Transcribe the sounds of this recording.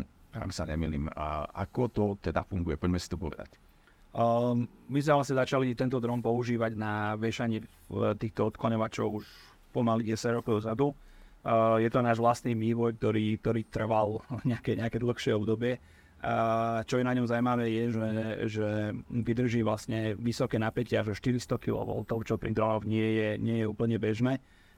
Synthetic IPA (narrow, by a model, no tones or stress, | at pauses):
a̰msa̰ɲɛ̰mḭlḭːma̰kɔt̪ɔt̪ɛd̪afuŋɡujɛpɔɟmɛsi̥t̪ɔpɔ̰ʋɛ̰d̪a̰c | mizmɛʋlasɲɛzat͡ʃalit̪ɛnt̪ɔd̪ɾɔmpɔuʒiːʋaɟnaʋɪɛʃaɲɪɛ | t̪iːxt̪ɔɔt̪klaɲɔʋat͡ʃɔʊuʃ | pɔmaliɟɛsaɟɾɔkɔʊzad̪u | jɛt̪ɔnaːʒʋlast̪niːmiːʋɔjk̚t̪ɔɾiːk̚t̪ɔɾiːt̪r̩ʋalɲɛakɛɲɛakɛd̪l̩xʃɪɛɔbd̪ɔbɪɛ | t͡ʃɔjɛnaɲɔmzawimaʋɛːjɛʒɛʒɛʋid̪r̩ʒiːʋlasɲɛʋisɔkɛːnapɛcɪaʒɛʃt̪iɾist̪ɔkḭlɔ̰ʋɔ̰lt̪ɔʊt͡ʃɔpɾid̪ɾɔnɔʊɲɪɛjɛɲɪɛjɛuːpl̩ɲɛbɛʒnɛː